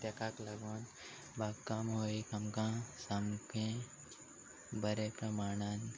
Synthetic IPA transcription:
t̪jɐkaːklɐɡon | bakːɐmɦoːikɐmkãsɐmkẽ | bɐɾepɾɐmaːɳ̃an

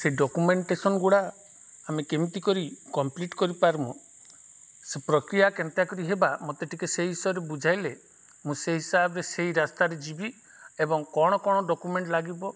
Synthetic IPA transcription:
seiɖɔkumeɳʈesɔnɔɡuɽaː | mekemit̪ikɔɾikɔmpliʈkɔɾipaɾmu | sepɾɔkɾijakent̪jakɔɾiɦebamɔt̪eʈʰikeseɦɦisɔɾebud͡ʒʱajle | mũseɦisabɔɾeseɦiɾast̪aɾed͡ʒibi | ebɔŋkɔɽ̃ɔkɔɽ̃ɔɖɔkumeɳʈlaɡibɔ

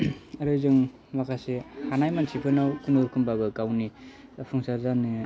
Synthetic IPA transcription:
aɾɯzɯŋ | makʰasehanajmansʰipʰɯnawkʰɯnoɾkʰɯmbaɡɯkawnipʰɯŋsazani

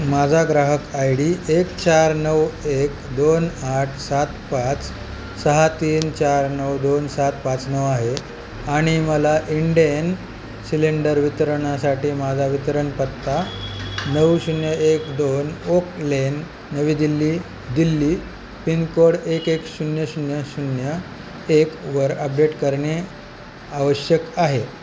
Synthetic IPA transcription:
mad͡zʱaɡɾaɦəkajɽiːekt͡ɕaɾnəwekd̪onaʈʰsat̪pat͡s | səɦat̪iːnt͡ɕaɾnəwd̪onsat̪pat͡snəʋaɦe | aɽ̃iməlaʔiɳɖijən | sileɳɖəɾʋit̪ɾəɳ̃asaʈiːmad͡zʱaʋit̪ɾəɳpət̪ːanəwɕunjəekd̪onoklenː | əʋiːd̪ilːiː | d̪ilːiː | pinkoɽekekɕunjəɕunjəɕunjə | ekʋəɾəp̚ɖeʈkəɾɳe | aʋəɕjəkaɦe

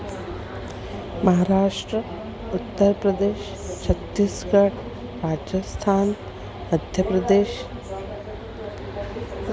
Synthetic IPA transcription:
mɐɦaːɾaːʃʈɾə | ʊt̪ːəɾpɾɐd̪eːʃ | t͡ʃʰɐt̪ːiːskɐɽ | ɾaːd͡ʒəst̪ʰaːn | məd̪ʱjəpɾɐd̪eːʃ

